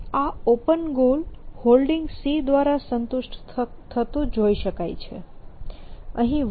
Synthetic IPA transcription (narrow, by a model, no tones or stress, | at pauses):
aopənɡolholɖɪŋɡsid̪ʋaɾasənt̪uʃʈt̪ʰət̪ũd͡ʒoiʃəkajt͡ʃʰḛ | əɦĩʋ